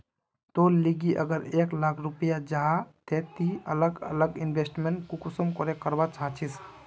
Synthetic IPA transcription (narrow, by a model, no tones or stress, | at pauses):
t̪oliɡiʔə̰ɡəɾeklakʰɾupijad͡ʒaɦat̪et̪iələɡə̰ləɡinbʱesʈmeɳʈkukusəmkɔɾekəɾbat͡ʃat͡ʃʰis